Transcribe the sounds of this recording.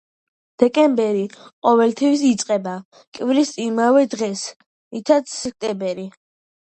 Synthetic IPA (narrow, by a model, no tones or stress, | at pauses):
d̪̥ɛkʼɛmbɛɾiqʼɔvɛlt̪ʰɛwis̬it̪sʼqʼɛba | kʼvilisʼimavɛd̪ʁɛs | it̪ʰat̪ssɛk̚ʰt̪ʼɛbɛɾi